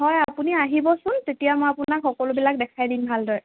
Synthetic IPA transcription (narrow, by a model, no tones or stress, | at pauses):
ɦɔjapuniaɦibɔsʊntetijamojapunakxɔkɔlʊbilak̚dɛkʰajdinbʱaldɔj